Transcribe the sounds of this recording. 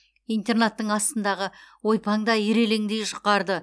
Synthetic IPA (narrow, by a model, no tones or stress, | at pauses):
ijnt̪e̞rnat̪ːəɴɑst̪ənd̪ɑʁəwo̞jpɑŋd̪ɑeɾe̞leŋd̪ejʃəqːɑɾd̪ə